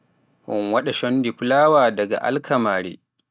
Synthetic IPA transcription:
hʊŋwɐɗaʃɔndiɸlaːwaːdɐɡa̰ʔa̰lkʰɐmaːɽḭː

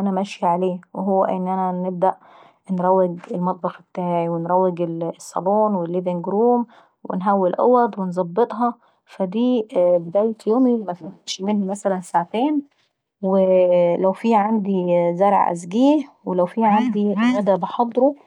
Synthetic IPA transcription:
ʔænæmæʃjiʕaleːweɦowːæʔɪ̰nːʔænænɪb̚d̪æʔ | nɾˤɑwːɪɡelmɑt̪̚ˤbɑxbt̪aːʕiwenɾˤɑwːɪɡelsˤːɑ̰loːnwelːiːbeŋɡɾuːm | wḛnɦæwːelʔæ̰wæd̪wenzˤɑbːet̪ˤɦɑ | fæd̪iːbed̪æːjet̪joːmimæfæʃmenhmæsælænsaʕt̪eːn | welæwfiːʕand̪izæɾˤʕ̰ʔæ̰zɡiːhwelæwfiːʕand̪imæd̪æbeħɑd̪ˤɾo

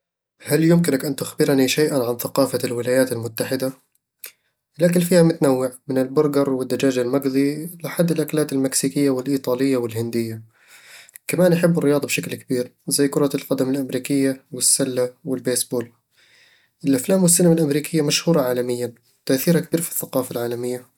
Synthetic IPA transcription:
haljʊmkɪnakʔant̪ʊxbɪɾniʃajʔanʕanθaqɑːfalwɪlaːjaːt̪almʊt̪ːaħɪd̪a | lʔakɪlfiːhamʊt̪anawːɪʕmɪnɪlbʊɾɡɑɾˤwɪd̪ːad͡ʒaːd͡ʒalmaɡðˤilɪħad̪ːɪlʔaklaːt̪ɪlmɪksiːkɪjːawɪlʔiːt̪ˤɑːlɪjːawɪlhɪnd̪ɪjːa | kamaːnʔaħɪbːɪrːɪjɑːd̪ˤɑbʃaklkabiːɾzajːkʊɾˤɑlqɑd̪amalʔamɾiːkɪjːawɪsːalːawɪlbeːsboːl | ʔɪlʔaflaːmwɪsːanɪmalʔamɾiːkɪjːamaʃhuːɾˤɑʕaːlamɪjːan | t̪aʔθiːɾakb̥iːɾfi̥θːaqɑːfalʕaːlamɪjːa

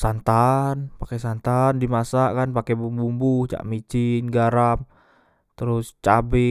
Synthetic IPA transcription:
sant̪anpakɛsant̪andimasaʔkanpakɛbumbumbuht͡ʃa̰ʔmit͡ʃinɡaɾam | t̪əɾʊst͡ʃabɪ

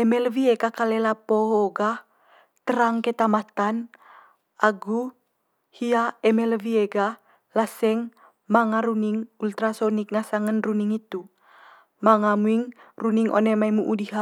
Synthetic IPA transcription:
ɛmɛlviekakalɛlapoɦoɡa | t̪əɾaŋket̪amat̪an | aɡu | hiaɛmɛlvieɡa | lasɛŋ | maŋaɾuniŋult̪ɾasonik̚nasaŋənruniŋit̪u | maŋamuiŋruniŋʔo̰nemaimuʔudiɦa

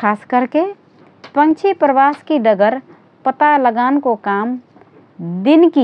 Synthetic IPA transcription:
kʰaːskəɾke | pə̃ŋt͡ʃʰipɾəʋaːskiɖəɡəɾ | pət̪aləɡaːnkokaːm | d̪ɪnki

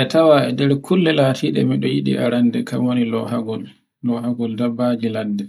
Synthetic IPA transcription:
ʔɛtawaɛdɛɾkʰulːɛlatʰiɗɛ̰miɗɔjiɗḭʔa̰ɾandɛka̰mwonilɔhaɡɔlː | ɔhaɡɔldabːad͡ʒilandɛ

